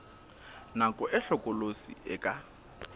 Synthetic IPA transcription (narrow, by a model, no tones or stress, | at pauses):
nakʼɔʔɪɬɔkʼɔlosḭɪ̰kʼa